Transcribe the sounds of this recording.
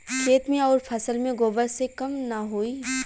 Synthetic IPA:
ʃeːt̪mẽɔːɾpʰɐsəlmẽɡoːbəɾsekɐmnɐɦoːiː

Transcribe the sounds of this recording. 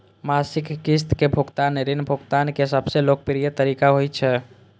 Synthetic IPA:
masikːist̪kebʱukt̪aneɾinbʱukt̪ankesəbselok̚pɾijət̪əɾikaɦojt͡ʃʰɛ

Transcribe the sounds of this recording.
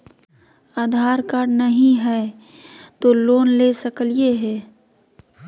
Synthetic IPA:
aːd̪ʱaːɾkaːɾɖnɐɦĩɦɛ | t̪oːloːnlesəkəlieɦɛː

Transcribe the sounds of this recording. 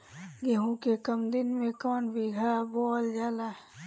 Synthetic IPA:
ɡeɦõkekəmd̪ɪnmẽkɔːnbiɡʱabɔːld͡ʒaːlaː

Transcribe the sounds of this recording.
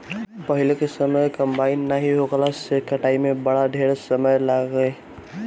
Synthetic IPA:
pəɦilekesəməjkəmbaɪnːaɦiɦoɡəlasekəʈaimẽbəɽaɖ̪ʱeɾesəməjlaɡəj

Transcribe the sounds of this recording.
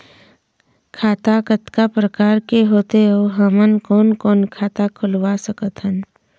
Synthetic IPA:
kʰaːt̪akət̪kapɾəkaːɾkeɦoːt̪eoɦəmənkɔːnkɔːnkʰaːt̪akʰʊlwasəkət̪ɦən

